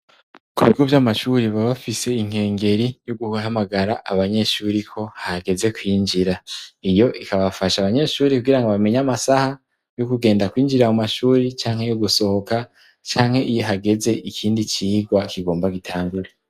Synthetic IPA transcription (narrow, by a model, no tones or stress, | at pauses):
kuβiɡo̞vjamaʃuɾiβaβafise̞iŋ̥he̞ːŋɡe̞ɾijoɡuhamaɡaɾaʔaβaɲe̞ʃuːɾikʰo̞haɡe̞ze̞kwiːnd͡ʒiɾaijo̞ʔikaβafaʃaːβaɲe̞ːʃuːɾikuɡiɾaŋɡoβame̞ɲamasaha | jokuɡe̞ːndakwiːnd͡ʒiɾamumaʃuːɾit͡ʃaːŋhe̞joɡuso̞hoka | t͡ʃaːŋ̥he̞ʔijoɦaɡe̞ze̞ʔikʰiːndit͡ʃiːɡwakiɡo̞ːmbaɡitʰaːŋɡuɾe